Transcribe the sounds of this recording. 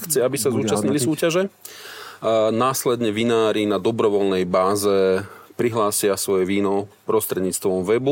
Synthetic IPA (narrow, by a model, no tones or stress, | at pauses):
xt͡sɛabisazuːt͡ʃast̪ɲilisuːcaʒɛ | naːslɛd̪ɲɛʋinaːɾinad̪ɔbɾɔʋɔlnɛjbaːzɛpɾiɦlaːsɪasʋɔjɛʋiːnɔpɾɔst̪ɾɛd̪ɲiːt͡st̪ʋɔmʋɛbu